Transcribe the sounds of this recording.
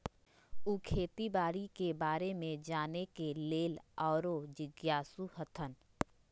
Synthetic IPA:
uːkʰeːt̪ibaːɾikebaːɾemẽd͡ʒaːnekeleːlɔːɾod͡ʒɪɡjaːsuhət̪ʰən

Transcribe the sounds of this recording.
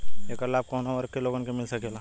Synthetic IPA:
ekəɾlaːp̚konaəɾəkːeloːɡənkemɪlsəkela

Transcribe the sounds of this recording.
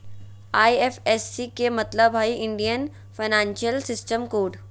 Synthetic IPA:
aːiefesːikemɐt̪ləbɦaːiʔɪ̃ɳɖijən | fʰaɪnãːnʃijəlsɪsʈəmkoːɖ

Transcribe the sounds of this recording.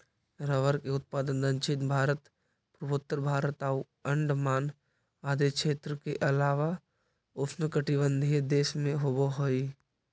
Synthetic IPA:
ɾəʋəɾkeʊt̪̚paːd̪ənd̪ə̃nt͡ʃɪt̪bʱaːɾət̪ | pɾəbʊt̪ːəɾbʱaːɾət̪aːu | ə̃ɳɖmaːn | aːd̪ekʃeːt̪ɾəkeʔɐlaːʋa | ʊsnəkəʈibə̃nd̪ʱied̪eːʃmẽɦoboɦoi

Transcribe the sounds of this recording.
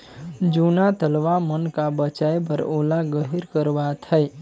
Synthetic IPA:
d͡ʒunat̪əlʋamənkabət͡ʃaebəɾolaɡəɦiɾkəɾʋat̪ʰəj

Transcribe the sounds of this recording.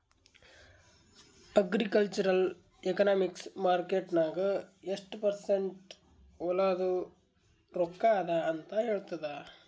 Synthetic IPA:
ɐɡɾikɐlt͡ʃɐɾɐl | ekɐnaːmiksmaːɾkeʈnaːɡɐeʂʈpɐɾseɳʈ | ɔlɐd̪u | ɾokːaːd̪ɐːnt̪ɐɦeːɭt̪ɐd̪ɐ

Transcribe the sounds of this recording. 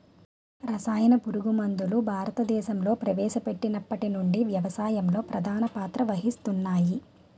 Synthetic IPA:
ɾɐsaːjɐnɐpuɾuɡumɐnd̪ulubʱaːɾɐt̪ɐd̪ɛːʃɐmlo̞ːpɾɐʋɛːʃɐpe̞ʈːinɐpːɐʈinuɳɖiʋjɐʋɐsaːjɐmlo̞ːpɾɐd̪ʱaːnɐpaːt̪ɾɐʋɐɦist̪unːaːji

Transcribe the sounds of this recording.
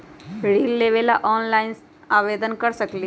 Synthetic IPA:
ɾiːlːeːʋelaʔɔːnlaːɪn | aːʋeːd̪ənkəɾsəkli

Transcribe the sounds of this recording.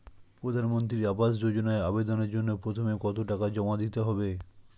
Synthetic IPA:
pɾod̪ʱanmont̪̬ɾiɾabaʃ̬d͡ʑod͡ʑonaeabed̪oneɾd͡ʑonːopɾot̪ʰomekɔt̪oʈakad͡ʑɔmad̪it̪eɦɔbe

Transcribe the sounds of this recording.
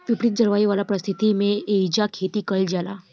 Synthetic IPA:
pipɽit̪̚d͡zəɾʋaiʋalapɾəst̪ʰit̪imeeid͡ʑakʰet̪iːkəld͡ʑala̰

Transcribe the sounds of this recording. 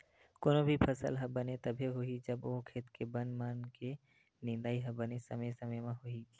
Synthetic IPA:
koːnõbʱipʰɐsə̰lɦɐbɐnet̪ɐbʱeɦoid͡ʒɐboːkʰeːt̪kebɐnmaːnke | nɪ̃nd̪aːiɦɐbɐnesɐməsɐməmãɦoi

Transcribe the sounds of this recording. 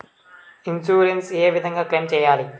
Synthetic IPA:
insuːɾenseːʋid̪ʱɐŋɡaːklejmt͡ʃɛːjaːli

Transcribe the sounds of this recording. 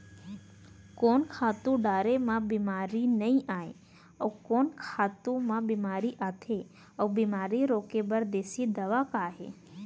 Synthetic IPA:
koːnkʰaːt̪ũɖaːɾemãbiːmaːɾinɐĩʔaːe | ɔːkoːnkʰaːt̪ũmãbiːmaːɾiʔaːt̪ʰe | ɔbiːmaːɾiɾoːkebəɾd̪eːsid̪ɐʋakaːɦḛː

